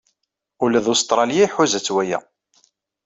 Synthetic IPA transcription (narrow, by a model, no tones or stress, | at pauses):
ulæðost̪ɾˤɑljaiħʊzæt͡sːwæjæ̰